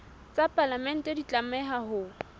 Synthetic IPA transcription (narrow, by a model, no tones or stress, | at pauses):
t͡sʼapʼalamɛn̩tʼɛdit͡ɬʼamɛɦahʊ